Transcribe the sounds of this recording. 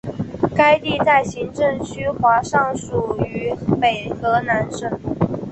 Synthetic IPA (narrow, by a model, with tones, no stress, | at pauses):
ka˥ɪt̪i˥˧t̪a˥˩ɪɕi˧˥ŋʈ͡ʂɤ˥˩ŋt͡ɕʰy˥xwa˧˥ʂɑ˥˩ŋʂu˨˩y˧˥pe˨˩ɪxɤ˧˥na˧˥nʂə˥˩ŋ